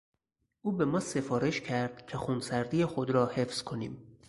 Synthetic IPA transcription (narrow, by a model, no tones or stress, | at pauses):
ʔuːbemɒːse̞fɒːɾeʃcʰæɾd̪̥cʲʰexunsæɾd̪ijexod̪ɾɒːhefz̥kʰo̞nḭːm